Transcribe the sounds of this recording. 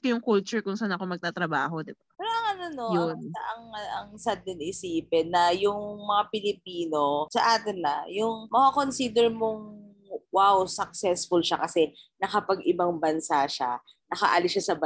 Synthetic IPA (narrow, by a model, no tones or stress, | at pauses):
t̪ojʊŋkult͡ʃʊɹkʊŋsanɐkomɐɡ̚t̪at̪ɾɐbaːɦod̪ɪbapɛːɾoʔɐŋɐnonojoɐʔɐŋʔɐŋsad̪̚ɪnɪsiːpɛnːɐjʊŋmɐŋapɪlɪpiːno̞sɐʔaːt̪ɪnːɐ̰jʊŋmɐkako̞nsiːd̪ɛɹmoŋ | wawsɐk̚sɛsfʊlʃakɐsɛnɐkɐpɐɡɪbɐŋbɐnsaʃa̰ | nɐka̰ʔalɪʃasɐb